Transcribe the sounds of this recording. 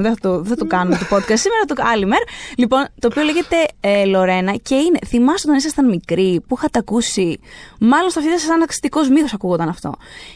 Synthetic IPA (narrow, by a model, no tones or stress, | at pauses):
ðeθɐt̪oðeθɐt̪okɐnumet̪opo̞t̪kɐst̪simeɾɐt̪uɐlimeɾlipo̞nt̪oːpio̞leʝe̞t̪e̞elo̞ɾe̞nɐce̞ine̞θimɐst̪ot̪onisɐst̪ɐnmikɾipuixɐt̪ɐkusimɐlonst̪ɐftit̪ɐsɐsɐnɐki̥st̪iko̞zmixosɐkuɣond̪ɐnɐft̪o̞̰